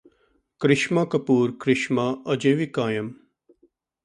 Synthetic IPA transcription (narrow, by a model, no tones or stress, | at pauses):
kɾɪʃmakɐpuːɾkɾɪʃmaəd͡ʒeːʋikaːjɐm